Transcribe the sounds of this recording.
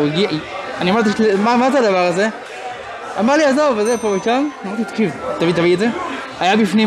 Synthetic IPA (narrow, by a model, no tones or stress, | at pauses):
iɡianiamaʁt̪̬iʃlimamazad̪avaʁaze | amaʁliazovvezepobeʃamnmaʁt̪it̪kivt̪avit̪aviedze | ajabifni